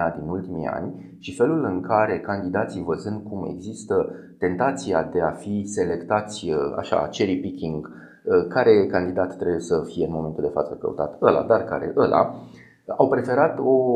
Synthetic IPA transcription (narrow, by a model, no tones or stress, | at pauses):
ad̪inult̪imḭa̰nʲ | ʃife̞lulɨŋkaɾe̞kand̪id̪at̪sivəzɨnd̪̚kume̞̰ɡzist̪ə | t̪e̞nt̪at̪sia̰d̪e̞afise̞le̞kt̪at̪sʲəa̰ʃa̰t͡ʃeɾipikʲiŋɡ | əkaɾe̞kand̪id̪at̪ːɾebuje̞səfijeɨnmo̞me̞nt̪uld̪e̞fa̰t̪səkə̰ṵt̪at̪əla̰d̪arka̰ɾe̞̰ʔəlʔa̰ | awpɾe̞fe̞ɾat̪o̞